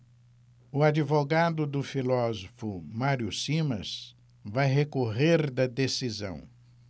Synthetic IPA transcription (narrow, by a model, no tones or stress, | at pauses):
ʊad͡ʒivoɡad̪ʊd̪ʊfilɔzofʊmaɾjʊsimɐ̰s | vajɦekoɦeɾd̪ɐd̪esizɐ̰̃w̃